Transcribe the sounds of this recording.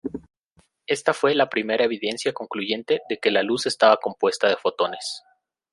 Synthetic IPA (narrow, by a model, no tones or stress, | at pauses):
e̞st̪afwe̞lapɾime̞ɾaeβiðe̞nsjako̞ŋkluʝe̞nt̪e̞ðe̞ke̞laluse̞st̪aβako̞mpwe̞st̪að̞e̞fo̞t̪o̞ne̞s